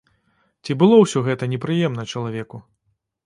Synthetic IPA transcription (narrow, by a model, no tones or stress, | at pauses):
t͡sʲibɨlˠɔwsʲɔɣɛt̪ɐnʲɛpɾɨjɛmnɐt͡ʂɐlˠavʲɛku